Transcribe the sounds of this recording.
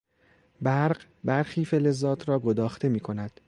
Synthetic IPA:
bæɾɢ | bæɾxiːfele̞zːɒːt̪ʰɾɒːɡod̪ɒːxt̪ʰe̞miːkʰo̞næd̪̥

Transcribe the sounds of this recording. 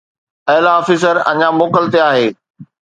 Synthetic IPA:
ɛlaɔːfiːs̬əɾɐ̰ɲamoːkəlt̪eaːɦeː

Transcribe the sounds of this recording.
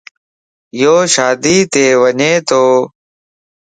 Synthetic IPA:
joːʃaːd̪iːt̪eːʋəɲeːt̪oː

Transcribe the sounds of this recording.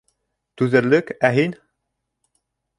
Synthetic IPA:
t̪ʉðɘ̆ɾlɵkæɦin

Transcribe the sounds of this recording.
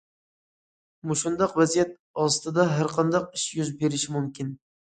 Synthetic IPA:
muʃund̪ɑqvɛzijɛt̪̚ | ɑst̪ɨd̪ɑɦæɾqʰɑnd̪ɑqɪʃjyzbeɾɪʃɪmumkʲɪn

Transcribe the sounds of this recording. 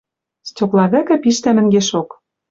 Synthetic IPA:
stʲoklˠɑɣæ̆kɘ̆piʃt̪æmɘ̆ŋɡeʃok

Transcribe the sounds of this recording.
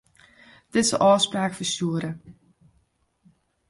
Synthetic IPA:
d̥ɪtsəʔɔːspraːkfəsuəɾə

